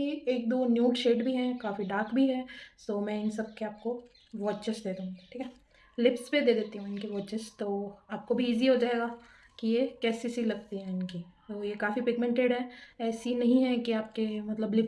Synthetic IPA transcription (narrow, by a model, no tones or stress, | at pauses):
ieːk̚d̪oːnjuːʈʃeːɖbʱiɦɛ̃kaːfiɖaːɾkbʱiɦɛ̃soːmɛ̃ɪnsɐb̚keaːp̚ko | ʋɐt͡ʃɪsd̪eːd̪ũːɡiʈʰiːkɛ | lɪpsped̪eːd̪eːt̪iɦũɪnkiʋɐːt͡ʃɪst̪oːaːp̚kobʱiːziɦod͡ʒaːeːɡaː | kijekɛːsisilɐɡ̚t̪iɦɛ̃ɪnkit̪oːjekaːfipɪɡmɛ̃ɳʈeɖɦɛɛːsinɐɦĩɦɛkiaːp̚kemɐt̪ləblɪp